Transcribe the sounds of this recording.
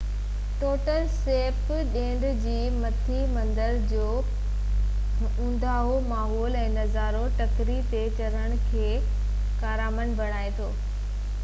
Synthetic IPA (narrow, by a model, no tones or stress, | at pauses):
ʈoːʈəlseːp | ɗẽːɳɖd͡ʑiːmɐt̪ʰimɐ̃nd̪əɾd͡ʑoː | ũːn̆d̪aːɦomaːɦɔːlɛ̃ːnɐzaːɾoʈɐkɾit̪et͡ɕɐɾəɽ̃̆kʰeː | kaːɾaːmənbʱɐɽ̃aːet̪ʰoː